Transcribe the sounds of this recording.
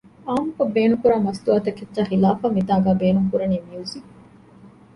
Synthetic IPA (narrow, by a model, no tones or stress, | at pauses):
aːmukɐbːeːnukuɾaːmɐsd̪uaːt̪ɐkːet̪ːʃaːxilaːfaːmit̪aːɡæːbeːnuŋkuɾɐniːmiuzik